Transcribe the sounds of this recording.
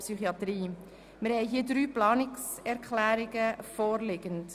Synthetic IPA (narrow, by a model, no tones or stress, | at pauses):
psyχiɑt̪ɾiː | mɪɾhɛɪɦiːədɾyːplɑːnɪksɛɾkʰχlæːɾɪɡəfɔːɾlɪɡ̥ənt